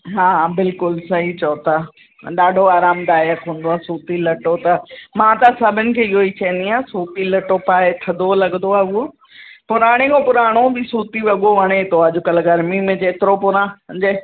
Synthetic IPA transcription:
ɦãːbɪlkʊlsɐɦit͡ɕɔːt̪a | ɗaːɖʱoaːɾaːmd̪aːjəɾkʰõːn̆d̪oaːsuːt̪ilɐʈot̪ɐmãt̪ɐsɐbʱɪnɪ̆kʰeːiɦoit͡ɕɐ̃ə̃nd̪iaːsuːt̪ilɐʈopaːet̪ʰɐd̪olɐɠnd̪oaːuo | pʊɾaːɽ̃ekopʊɾaːɽ̃obisuːt̪iʋɐɠoʋɐɽ̃et̪oəd͡ʑʊkɐlɡɐɾmimẽd͡ʑeːt̪ɪɾopʊɾãd͡ʑeː

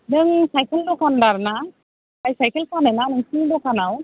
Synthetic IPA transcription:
nɯŋsajkəlɖɔkanɖaɾna | kajsajkəlkanajnanɯŋsidɔkanaw

